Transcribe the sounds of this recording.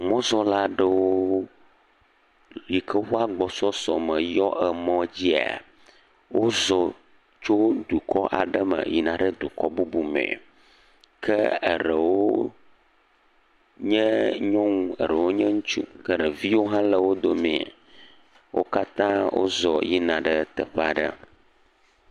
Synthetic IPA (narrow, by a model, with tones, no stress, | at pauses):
mɔ̃˦zɔ˦la˦ɖə˨wo˦ | li˨kʰə˦wo˦a˦ɡ͡bɔ˨sɔ˦sɔ˨mə˨jɔ˦ʔɛ˨mɔ̃˦d͡ʑi˦a̰˨ | wo˦zɔ˨ | t͡ʃo˦d̪u˨kʰɔ˦ʔa̰˨ɖə˦mə̰̃˨ji˨nã˨ɖə˦d̪u˨kɔ˦bu˦bu˨mɛ̰̃˨ | kʰə˦ə˨ɾə˨wo˦ | ɲɛ̃˦ɲɔ̃˦ŋũ˨ə̰˨ɾə˨wo˦ɲɛ̃˦ŋu˦t͡ʃṵ˦kə˦ɖə˨vi˦wo˦ɦã˦lə˨wo˦d̪o˦mẽ˨a̰˨ | wʔo̰˦ka˦t̪ã˦wʔo̰˦zɔ˨ji˦nã˨ɖə˦t̪ə˨ɸa˨ɖə̰˦